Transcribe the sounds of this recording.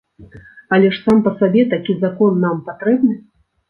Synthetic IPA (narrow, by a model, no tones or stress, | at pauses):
ɐlʲɛʂsampɐsabʲɛt̪akʲizakɔnːampat̪ɾɛbnɨ